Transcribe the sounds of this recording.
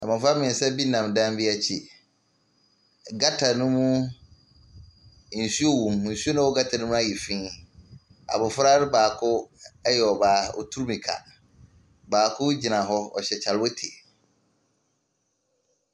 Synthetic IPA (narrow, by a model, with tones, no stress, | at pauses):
nã˨mɪ̃˨fa˦mɪ̃˨n̩˨sɛ˦bi˦nã˨mdã˦mbi˦a˦t͡ɕʰi˦˨ | ɡa˦tʰa˨nʊ̃˦mũ˦ | n̩˨su˦o˦wũ˨mn̩˨su˦o˦nã˦wɔ˦ɡa˦tʰa˨nũ˦mũ˦a˦ji˨fĩ˦ | a̰˨bʊ˨fɾa˦ɾɪ˦baː˨kʰʊ˦ɛ˦jɛ˨ɔ˨baː˨ɔ̰˨tʰu˦ɾmĩ˨kʰa̰˨ | baː˨kʰʊ˦d͡ʑi˨nã˨ɦɔ˦ɔ̰˨ɕɛ˨t͡ɕʰa˨lwɔ˦tʰe˨